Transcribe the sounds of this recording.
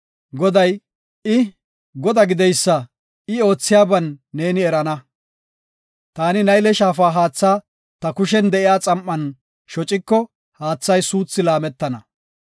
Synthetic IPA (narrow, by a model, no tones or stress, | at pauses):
ɡɔd̪ɐj | ɪ | ɡɔd̪ɐɡɪd̪ɛjsːɐ | ɪo̞ːt͡sːɪjaːbɐnːe̞ːnɪɛɾɐnɐ | t̪aːnɪnɐjlɛʃaːfaːɦaːt͡sːaː | t̪ɐkʊʃɛnd̪ɛʔɪjaːt͡sʼɐmʔːɐn | ʃɔt͡ʃʼɪkːɔ | haːt͡sːɐjsuːt͡sːɪlaːmɛt̪ːɐnɐ